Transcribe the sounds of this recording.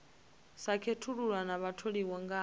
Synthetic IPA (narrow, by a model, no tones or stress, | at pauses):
sakʰetʰuɺuɺwanaβatʰoɺiwɔŋɡa